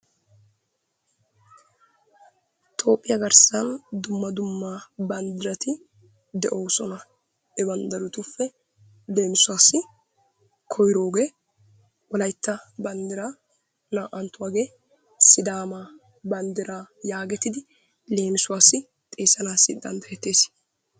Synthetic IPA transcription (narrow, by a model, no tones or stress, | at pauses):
t̪ʰʼo̞ːpʼːɪjɐɡɐɾsɐnd̪ʊmːɐd̪ʊmːabɐnd̪ɪɾɐt̪ɪ | d̪ɛʔo̞ːsɔnɐ | ɛbɐnd̪ɐɾʊt̪ʊfːɛ | le̞ːmɪsʊwaːsɪ | kʰɔjɾo̞ːɡeː | wɔlɐjt̪ːɐbɐnd̪ɪɾa | naːʔɐnt̪ːʊwaːɡe̞ː | sɪd̪aːmaː | bɐnd̪ɪɾaːjaːɡɛt̪ːɪd̪ɪ | le̞ːmɪsʊwaːsːɪ | t̪ʼeːsɐnaːsːɪd̪ɐnd̪ɐɛt̪ːe̞ːs